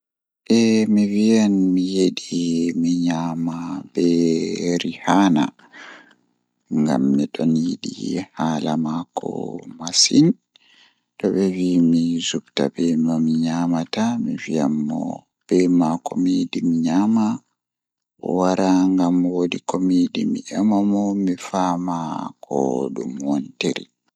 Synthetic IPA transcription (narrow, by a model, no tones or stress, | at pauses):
ʔɛmivijanmijeɗimiɲaːmabɛɾihana̰ | ŋɡa̰mːiɗɔnjeɗḭhaːlamakʰɔ̰masin | ɗɔɓɛwimizubta̰bɛmamiɲaːmatamivijamːɔ̰ | b̥ɛmakomidimiɲama | ɔwaɾʔaŋɡamwodikomidimḭʔamamɔmifamakʰɔɗumwɔnteɾḭ